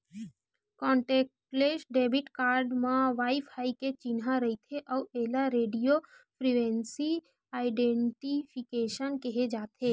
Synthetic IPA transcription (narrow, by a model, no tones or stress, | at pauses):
kɔ̃ːɳʈeːk̚ʈpleːsɖeːbʱɪʈkaːɾɖmãʋaːɪpʰaːiket͡ʃɪnɦãɾəit̪ʰeʔəueːlaɾeːɖijo | pʰɾiʋẽnsi | aːɪɖẽɳʈipʰikeːʃənkɛɦed͡ʒaːt̪ʰe